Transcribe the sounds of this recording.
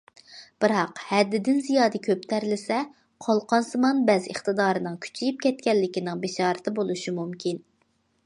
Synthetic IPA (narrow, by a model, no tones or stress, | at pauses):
b̥ɨɾɑqhɛd̪ːɪd̪ɪnzijɑːd̪ɨkʲʰøp̚t̪ʰɛɾlɪsɛ | qʰolˠqʰɑnsɨmɑnbɛzə̰χt̪ɨd̪ɑːɾɨnɨŋkʲʰy̥t͡ʃʰijip̚kʲʰɛt̪̚kʲɛlːɪkʲinɪŋbeʃɑːɾɨt̪ʰɪbolˠuʃimumkʲʰin